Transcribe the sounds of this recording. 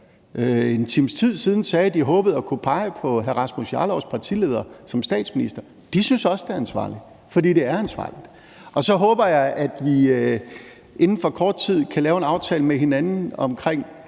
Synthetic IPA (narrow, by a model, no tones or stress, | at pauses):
øe̝nt͡sʰimst͡sʰið̞̰ˠsiːð̞ˠn̩sɛːd̥iɦɔ̽ːb̥ð̩ˠɒkʰupʰɑ̈ɪəpʰɒ̽ɦæʁɑ̈smusjɑ̰̈ːlɒʊspʰɑ̈t͡sʰḭle̝ːðˠɐsɒ̽msd̥ɛ̰ːd̥sminisd̥ɐ | d̥isynsɒ̽səd̥e̝æɐænsʋɑ̰̈ːli̥ | fɒd̥ḭːd̥e̝æɐænsʋɑ̈ːlid̥ | ɒ̽sɒ̽ɦɔ̽ːb̥ɐjɑ̈ɪʔæd̥ʋi | ʔe̝nn̩fɒ̽kʰɒːd̥̚t͡sʰið̞̰ˠkʰælɛːʊe̝nɑ̈ʊt͡sʰɛ̰ːləmeɦe̝nænn̩ɒ̽mkʰʁeŋ̰